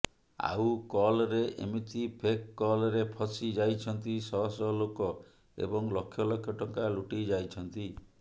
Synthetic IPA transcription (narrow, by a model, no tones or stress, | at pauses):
a̰wkɔlɾeʔḛmit̪ipʰekːɔlɾepʰɔsid͡ʒajt͡ʃʰɔnt̪isɔɦɔsɔlokɔ | ḛbɔŋlɔkʰːjɔlɔkʰjɔʈɔŋkaluʈid͡ʒajt͡ʃʰɔnt̪i